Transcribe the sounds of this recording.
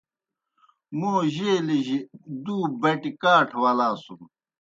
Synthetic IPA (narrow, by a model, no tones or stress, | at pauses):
moːʑeːliʑid̪uːbɐʈikaːʈʰwɐlaːsum